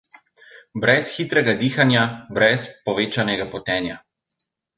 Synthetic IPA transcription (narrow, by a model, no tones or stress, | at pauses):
bɾɛsxiːt̪ɾɛɡad̪iːxanjabɾɛspɔʋeːt͡ʃanɛɡapɔt̪ɛːnja